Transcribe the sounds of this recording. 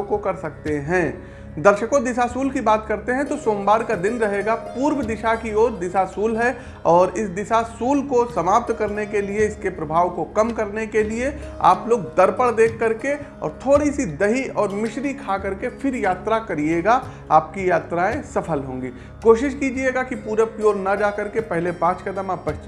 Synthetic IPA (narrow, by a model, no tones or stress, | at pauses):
kokɐɾsɐk̚t̪eɦɛ̃ː | d̪ɐɾʃəkõd̪ɪʃasuːlkibaːt̪kɐɾt̪eɦɛ̃t̪osoːmbaːɾkad̪ɪnɾɐɦeːɡapuːɾwəd̪ɪʃakioːɾd̪ɪʃasuːlɦɛ | ɔːɾɪsd̪ɪʃasuːlkosɐmaːp̚t̪kɐɾnekelieɪskepɾɐbʱaːʋkokɐmkɐɾnekeliea̰ːploːɡ̚d̪ɐɾpəɽd̪eːkʰːɐɾkeɔ̰ːɾt̪ʰoːɽisid̪ɐɦiʔɔːɾmɪʃɾikʰakɐɾkefʰɪɾjaːt̪ɾakɐɾieːɡa | aːp̚kijaːt̪ɾaẽsɐpʰəlɦõ̰ːŋɡiː | koːʃɪʃkiːd͡ʒieɡakipuːɾəpjoːɾnɐd͡ʒaːkɐɾkepɛɦlepãːt͡ʃkɐd̪əmaːpbɐɦt͡ʃ